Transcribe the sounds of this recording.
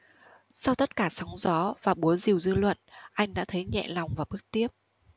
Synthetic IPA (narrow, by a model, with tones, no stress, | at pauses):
sa˧wt̪ə˦˥t̚kaː˧˩sɔ˨˦wŋ͡mzɔ˨˦vaː˨˩ɓu˨˦əzi˨˩əwzɨ˧lwə̰˧˨nʔa˧jŋ̟ɗa̰ː˧˥t̪ʰə˨˦jɲɛ̰˧˨la˨˩wŋ͡mvaː˨˩ɓɨ˦˥k̚t̪i˦˥əp̚